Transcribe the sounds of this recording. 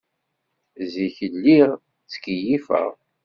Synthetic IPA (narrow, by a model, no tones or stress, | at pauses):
ziçəlːiʁ | t͡sːkijifə̰ʁ